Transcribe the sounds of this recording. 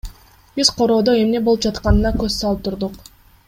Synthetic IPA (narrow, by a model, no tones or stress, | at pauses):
b̥iz̥qʰo̞ɾo̞ːd̪o̞e̞mne̞bo̞lˠupd͡ʒɑt̪qɑnɯnɑkøzsɑlˠɯp̚t̪ʰuɾd̪uq